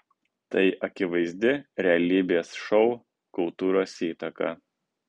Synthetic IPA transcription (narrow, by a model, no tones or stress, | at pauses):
t̪ɐɪʔɐkʲɪʋɐɪzʲd̪ʲɪɾʲɛɐlʲiːbʲeːsʃɔʊ | kʊlˠt̪uːɾoːsiːt̪ɐkɐ̰